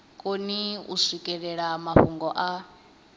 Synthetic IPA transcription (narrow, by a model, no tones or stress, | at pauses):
kʼoniṵsikʼɛɺɛɺamaɸuŋɡɔʔa